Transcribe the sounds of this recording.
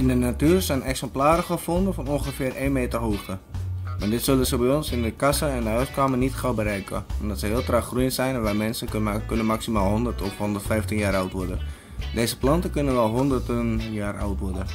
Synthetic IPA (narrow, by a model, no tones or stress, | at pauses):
ɪndənatyərsɛjnɛksɛmplaːɾəxəfondəfɔnonxəfɪːrʔeːnmeːtərɦoːχtəmadɪtsølˠəsəbɛjonsɪndəkasəɛndəɦœɥst̚kaːmərnitχawbəɾɛjkəɔmdɔtsəɦɪːlˠtraxrujənsɛjnʋɛjmɛnsənkønənmaksimaːlˠɦondərtɔfhondərtfɛjftinjaːɾawtʋɔrdə̰ | deːzəplɑntəkønənʋɛlˠɦondərtənjaːrawtʋɔrdən